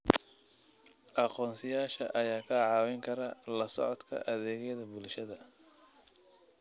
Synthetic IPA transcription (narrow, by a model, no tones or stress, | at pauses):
ʔɑqɔːnsɪjaːʃɐ̰ʔɐjaːkʰɐʕɑːwɛŋkʰɐɾɐlɐsɔ̰ʕɔd̪kʰɐ̰ʔɐðɛːɣɛjðɐbʊlʃɐðɐ